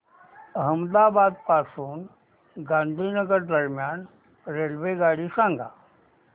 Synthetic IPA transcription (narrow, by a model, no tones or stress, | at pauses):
əɦəmd̪abad̪pasuːn | ɡãnd̪ʱiːnəɡəɾd̪əɾmjan | ɾelʋeɡaɽiːsãŋɡʱa̰